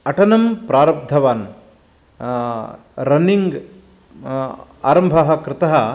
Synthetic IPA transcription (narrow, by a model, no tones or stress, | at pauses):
ɐʈɐnɐmpɾaːɾɐb̚d̪ʱɐʋaːn | ɾɐniŋɡ | a̰ːɾɐmbʱɐɦɐ̆kɾɪt̪ɐɦɐ